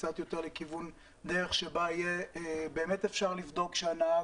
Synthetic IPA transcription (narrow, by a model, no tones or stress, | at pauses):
t͡sat̪jo̞t̪eʁlekivun | d̪eʁeχʃebaijebe̞ːmetefʃaʁlivd̪o̞kʃeanaa